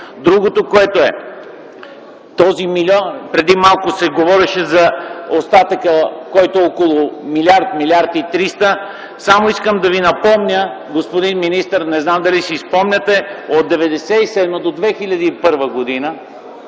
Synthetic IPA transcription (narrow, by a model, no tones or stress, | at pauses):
d̪ɾuɡot̪okoɛt̪oɛ | t̪ɔzimilʲɔnpɾɛd̪imalˠkʊsɛɡovɔɾɛʃɛzɐost̪at̪əkəkɔjt̪oɛɔkolˠʊmilʲaɾt̪milʲiaɾt̪it̪ɾist̪ə | samoiskəmd̪ɐvinɐpɔmnʲə | ɡospod̪inminist̪əɾnɛznamd̪ɐlisispɔmnʲɐt̪ɛot̪̚d̪ɛvɛd̪ɛsɛisɛd̪məd̪od̪vɛxilʲɐd̪iːpɤɾvəɡod̪inə